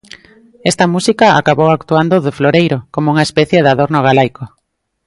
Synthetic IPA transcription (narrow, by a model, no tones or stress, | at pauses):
ɛst̪ɐmusikɐa̰kaβowakt̪uand̪oðɪfloɾejɾokomouŋaespɛθjeðaðoɾnoɣ̞alajko